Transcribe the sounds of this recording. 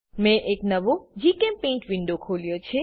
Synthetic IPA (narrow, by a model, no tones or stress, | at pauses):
mɛ̃ʔeknəʋod͡ʒikɛ̃mpẽɳʈʋɪ̃ɳɖokʰoljot͡ʃʰe